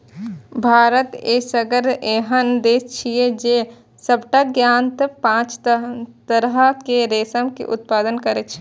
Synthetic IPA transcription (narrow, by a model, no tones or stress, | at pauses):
bʱaːɾət̪eːsəɡəɾeɦənd̪eːst͡ʃʰijed͡ʒe | səbʈaɡjaːnt̪əpãːt͡ʃt̪əɾɦəkeɾeːsəmkḛʔʊ̰t̪̚paːd̪ənkəɾet͡ʃʰ